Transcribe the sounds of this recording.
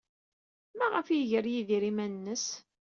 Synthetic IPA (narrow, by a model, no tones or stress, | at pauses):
mæʁəfjiʝəɾjiðiɾimænnːəs